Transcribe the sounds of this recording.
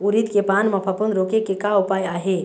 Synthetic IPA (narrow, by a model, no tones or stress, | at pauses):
uɾit̪kepanmɐpʰəpunɾokekekaupaːjaːɦe